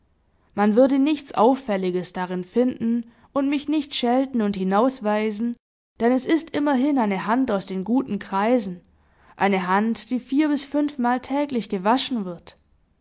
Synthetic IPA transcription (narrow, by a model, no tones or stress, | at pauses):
manvʏɐdənɪçt͡sʔa̰ʊfːɛlɪɡəsd̥aʁɪnfɪndn̩ | ʔʊntmɪçnɪçtʃɛltn̩ʊnthɪnaʊsv̥aɪzn̩ | d̥ɛnɛsɪstʔɪmɐɦɪnaɪnəɦantaʊsd̥eːnɡuːtn̩kʁ̥aɪzn̩ | ʔaɪnəɦantd̥iːfiːɐbɪsfʏnfmaːltʰɛːklɪçɡ̥əvaʃn̩vɪɐt